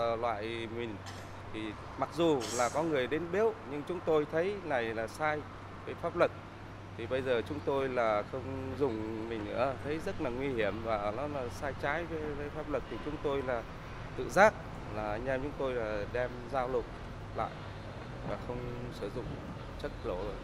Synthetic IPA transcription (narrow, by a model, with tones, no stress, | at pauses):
lwa̰ː˧˨jmï˨˩ŋ̟ | t̪ʰi˨˩ | ma˨˩k̚zu˨˩laː˨˩kɔ˨˦ŋɨ˨˩əjɗe˨˦nɓi˦˥əwɲɨ˧ŋt͡ɕʊ˨˦ŋ͡mt̪o˧jt̪ʰə˨˦jna˨˩jlaː˨˩saː˧j | vəː˨˦jfaː˦˥p̚lɨ˨˩k̚ | t̪ʰi˨˩ɓə˧jzəː˨˩t͡ɕʊ˨˦ŋ͡mt̪o˧jlaː˨˩xə˧wŋ͡mzʊ˨˩ŋ͡mmï˨˩ŋ̟nɨ̰˧˥ət̪ʰə˨˦jzə˦˥t̚laː˨˩ŋwi˧hi˧˩əmvaː˨˩nɔ˨˦laː˨˩saː˧jt͡ɕaː˨˦jve˨˦jvəː˨˦jfaː˦˥p̚lɨ˨˩k̚t̪ʰi˨˩t͡ɕʊ˨˦ŋ͡mt̪o˧jlaː˨˩ | t̪ɨ̰˧˨zaː˦˥k̚ | laː˨˩˨ɲɛ˧mt͡ɕʊ˨˦ŋ͡mt̪o˧jlaː˨˩ɗɛ˧mzaː˧wlʊ˨˩k͡p̚ | la̰ː˧˨j | vaː˨˩xə˧wŋ͡msɨ˧˩zʊ̰˧˨ŋ͡m | t͡ɕə˦˥k̚lo˧˩˨